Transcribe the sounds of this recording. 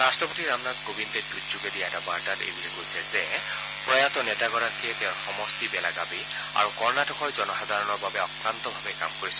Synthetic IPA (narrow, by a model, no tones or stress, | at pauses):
ɹastɹɔpotiɹamnatkobintɛdutzuɡedijaɛtabaɹtatḛjbulɛkojsɛzɛ | pɹɔjat̪ɔnɛtaɡɔɹakiɛtɛaɹxɔmɔstibɛlaɡabi | a̰ɹukɔɹnatʰɔkʰɔjzɔnɔxad̪ʱaɹɔnɔɹbabɛɔkɹant̪ɔbʱabɛka̰mkoɹisɔ̥